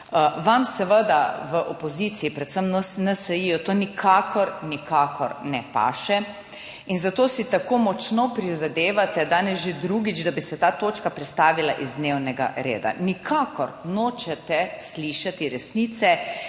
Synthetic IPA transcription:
ʋamsɛʋəd̪aʋəʔopɔziːt̪siːpɾɛt̪səmnɛsɛjijɔt̪oːnikʰakɔɾnikakɔɾnɛpa̰ːʃɛ | inzat̪oːsit̪akoːmɔt͡ʃnopɾizad̪eːʋat̪ɛd̪aːnɛsʒed̪ɾuːɡid͡ʒd̪abisɛt̪aːt̪oːt͡ʃkapɾɛt̪st̪aːʋila̰ʔizd̪newnɛɡa̰ɾḛːd̪a̰nikʰaːkɔ̰ɾnoːt͡ʃɛt̪ɛsliːʃat̪iɾɛsniːt̪sɛ

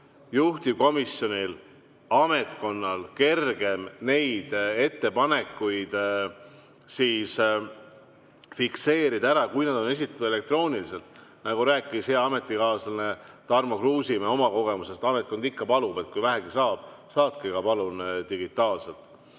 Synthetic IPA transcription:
juht̪ib̥̚ko̞misjo̞nʲil | ɑme̞t̪ko̞nːɑlke̞rɡ̥e̞mne̞jd̪̥e̞t̪ːe̞pɑne̞kːˑujd̪̥ | siːs | fikse̞ːɾid̪̥ɑæɾɑkujnɑd̪o̞ne̞s̬it̪ːˑɑ̥t̪ud̪elek̚t̪ro̞ːnilise̞lt̪nɑɡuɾæːkːˑisheɑme̞t̪ːˑikɑːslnet̪ɑrmɑkruːsimeo̞mɑko̞ɡ̥e̞muse̞st̪ɑme̞t̪̚ko̞nd̪ikːɑpɑlube̞t̪̚kujvæɦæɡ̥isɑːb̥sɑːt̪̚kiɡɑpɑlunt̪iɡ̥it̪ːˑɑːlse̞lt̪ˑ

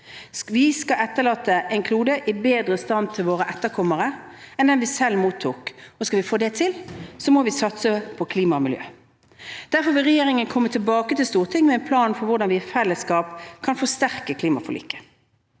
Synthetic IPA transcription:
ʋɪskɑʔɛt̪ːəʁlɑːt̪ːəʔɛŋkʰluːd̪əʔɪbeːd̪ɾəst̪ɑn̚t̪ʰɪlʋoːʁəʔɛt̪ːəʁkʰɔmːəʁəɛnd̪ɛnʋɪsɛlːmuːt̪ʰːuːkɔskɑʋɪfoːd̪ɛt̪ʰɪlsɔmɔʋɪsɑt̪səpʰɔkʰliːmɑmɪljø̰ː | d̪̥æʁfɔɾʋɪlʁɛjeːɾɪŋənkʰɔmːət̪ʰɪlbɑːkət̪ʰɪlst̪uːʁt̪ʰɪŋmɛɛnpʰlɑːnfɔɾʋʊɖɑnʋɪfɛlːəskɑːpkʰɑnfɔst̪æʁkəkʰliːmɑ̰fɔlḭːkə̥

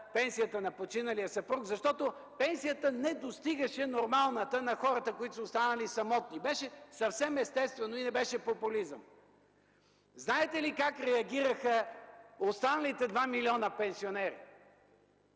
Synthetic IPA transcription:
pɛnsijət̪ənɐpot͡ʃinɐlijəsɐpɾukzɐʃt̪ɔt̪o | pɛnsijət̪ənɛd̪ost̪iɡɐʃɛnoɾmalˠnət̪ənɐxɔɾət̪əkoit̪osost̪anɐlisɐmɔt̪̚nibɛʃɛsɐfsɛmɛst̪ɛst̪vɛnoinɛbɛʃɛpopulizə̰m | znaɛt̪ɛlikakɾɛɐɡʲiɾəxəost̪anəlit̪ɛd̪vamilʲiɔnəpɛnsionɛɾḭ

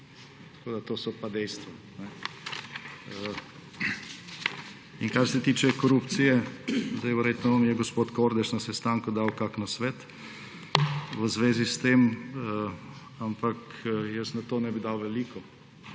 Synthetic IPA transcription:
t̪ḁkoːd̪at̪oːsɔpad̪ɛjst̪ʋɔ | nɛ | inkaɾsɛt̪iːt͡ʃɛkoɾupt̪sijɛzd̪ajʋɛɾjet̪nɔʋamjɛɡospoːt̪koːɾd̪ɛʃnɐsɛst̪aŋkʊd̪awkaknasʋɛt̪ | ʋəzʋeːzist̪em | ampakjəsnɐt̪oːnɛbid̪awʋɛliːkɔ

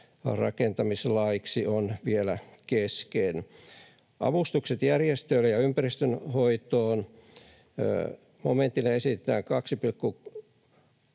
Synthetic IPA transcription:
rɑ̰kent̪ɑmislɑːiksionʋielækesken | ʔɑ̰ʋust̪ukset̪jærjest̪øilːejɑympærist̪ønhoit̪oːn̰ | mo̰ment̪ːilːeesit̪et̪æːŋkɑksipilkːu

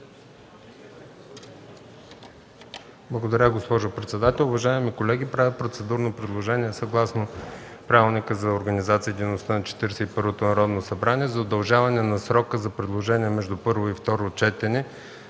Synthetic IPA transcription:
blˠɐɡod̪ɐɾʲəɡospɔʒʊpɾɛt̪sɛd̪at̪ɛlˠʊvɐʒaɛmikolɛɡ̟ipɾavʲɛpɾot̪sɛd̪uɾnopɾɛd̪lˠoʒɛniɛsɐɡlˠasnopɾavilˠnikəzɐoɾɡənizat̪sijəd̪inost̪ənɐt͡ʃɛ̥t̪iɾsɛipɤɾvot̪onɐɾɔd̪nosɐbɾaniɛzɐod̪ɐlˠʒavɐnɛnɐsɾɔkəzɐpɾɛd̪lˠoʒɛniɛmɛʒd̪upɤɾvoift̪ɔɾot͡ʃɛt̪ɛnɛ

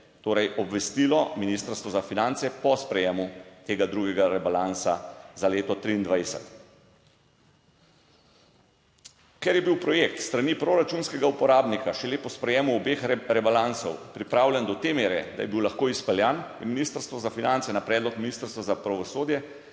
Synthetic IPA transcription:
t̪oːɾɛjʔɔbʋɛst̪iːlɔminist̪əɾst̪ʋɔzafinant̪sɛpɔspɾɛjeːmut̪eːɡad̪ɾuːɡɛɡaɾɛbalansa̰zaleːt̪ɔt̪ɾiːnd̪ʋajsɛ̰t̪ | kɛɾjɛbiwpɾɔjek̚t̪st̪ɾanipɾoɾat͡ʃuːnskɛɡaupɔɾaːbnikaʃɛleːpɔspɾɛjɛːmuɔbeːxɾɛbalansɔwpɾipɾaːwlʲjɛnd̪ɔt̪emeːɾɛd̪a̰jɛbiwlaxkoːispɛljanjɛminist̪əɾst̪ʋɔzafinant̪sɛnapɾɛːd̪lɔkminiːst̪əɾst̪ʋazapɾaʋɔsoːd̪jɛ

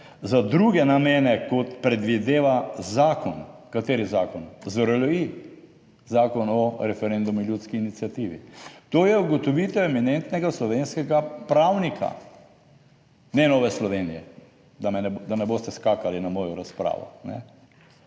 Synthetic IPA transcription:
zad̪ɾuɡɛnameːnɛkɔt̪pɾɛd̪ʋid̪eːʋazaːkɔnkat̪eːɾizaːkɔnzɾlɔi | zaːkɔnɔɾɛfɛɾend̪umiljuːt̪skiːnit̪sijat̪iʋḭt̪oːjɛuɡɔt̪ɔʋiːt̪ɛwɛminent̪nɛɡaslɔʋenskɛɡapɾawnikʰa̰ | nɛnɔːʋɛslɔʋeːnijɛ | d̪amɛnɛd̪anɛboːst̪ɛskaːkalinamɔːjɔɾaspɾa̰ːʋɔ̰nɛ̰

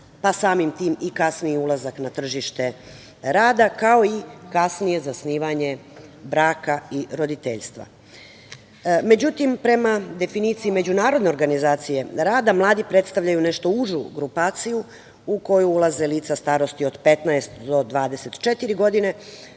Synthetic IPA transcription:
pasaːmimt̪iːmikasniiulˠazaknat̪r̩ʒiʃt̪e̞ | ɾaːd̪akao̞ikasnije̞zasniːʋaɲe̞bɾaːkaiɾo̞d̪it̪eʎst̪ʋa̰ | me̞d͡ʑut̪impɾe̞mad̪e̞finiːt̪siime̞d͡ʑunaːɾo̞d̪ne̞o̞ɾɡanizaːt̪sije̞ɾaːd̪amlˠaːd̪ipɾe̞t̪st̪aʋʎajune̞ʃt̪o̞uʒṵɡɾupaːt̪siju | uko̞juulˠaze̞liːt̪sast̪aːɾo̞st̪io̞d̪pe̞t̪naest̪d̪o̞d̪ʋaːd̪e̞se̞t̪t͡ʃet̪iɾiɡo̞d̪ine̞

